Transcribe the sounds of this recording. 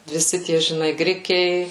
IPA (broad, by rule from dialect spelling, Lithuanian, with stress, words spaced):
ʋʲɪˈsʲɪ ˈtʲiɛ ʒʲɪˈnɐɪ ˈɡrʲɪkʲɛɪ